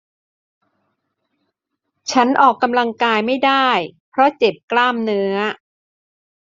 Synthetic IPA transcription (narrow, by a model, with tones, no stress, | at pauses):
t͡ɕʰa˦˥nʔɔː˨˩kːa˧mla˧ŋkaː˧jma˥˩jdaː˥˩jpʰɾɔ˦˥t͡ɕe˨˩p̚klaː˥˩mnɯ˦˥ɐ